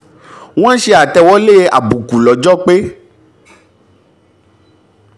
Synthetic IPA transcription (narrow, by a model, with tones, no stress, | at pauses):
w̃ɔ̃˦ʃe˧a˨tɛ˧wɔ˦le˦a̰˨bu˨ku˨lɔ˨˦d͡ʒɔ˦k͡pe˦